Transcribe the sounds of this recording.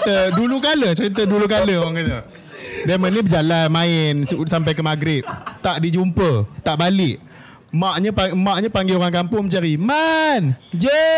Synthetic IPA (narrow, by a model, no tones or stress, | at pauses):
t̪ədulukaləsəɾit̪̬ədulukaləoɣaŋkat̪ə | damanibəd͡ʒalanmãɪnsampajkəmaɡɾɪp̚t̪aʔdid͡ʒumpət̪aʔbalɪʔ | maʔɲəpamãʔɲapaŋɡioɾaŋkampʊŋmət͡ʃaɾimand͡ʒə